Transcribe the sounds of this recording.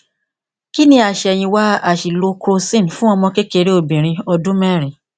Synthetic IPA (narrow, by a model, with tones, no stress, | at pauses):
ki˦nĩ˧a˨ʃɛ˨j̃ĩ˧wa˦a˨ʃi˨lo˧kʰo˧sĩ˦n˨fũ˦ɔ˧mɔ̃˧ke˦ke˧ɾe˦o˦˨bĩ˨ɾ̃ĩ˧ɔ˧dũ˦mɛ˦˨ɾĩ˨